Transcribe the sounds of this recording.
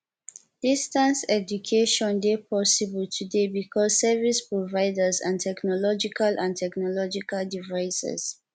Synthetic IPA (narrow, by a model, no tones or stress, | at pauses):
d̥istãnsɛd͡ʒukʰeʃɔ̃ndepʰɔsibəltʰudebikʰɔzsɛvispɹovaɪdəzã̰ntʰɛknɔlɔd͡ʒikalʔãntʰɛknɔlɔd͡ʒikaldivaɪsɛ̰z̥